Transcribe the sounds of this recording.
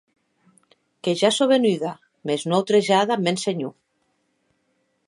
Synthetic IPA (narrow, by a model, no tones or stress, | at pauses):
keʒasoβenyða | meznoawt̪ɾeʒaðamenseɲu